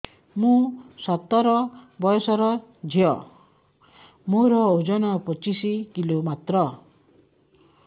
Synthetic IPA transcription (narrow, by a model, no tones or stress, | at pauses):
mũsɔt̪ːɔɾɔbɔjɔsɔɾɔd͡ʒʱiɔ | moɾɔod͡ʒɔnɔpɔt͡ʃisikilomat̪ɾɔ